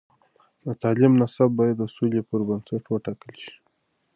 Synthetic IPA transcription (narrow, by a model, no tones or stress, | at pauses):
d̪ət̪ɑlimnasab̚ːɑjad̪ːəsulepəɾbənsaʈwəʈɑkəlʃi̥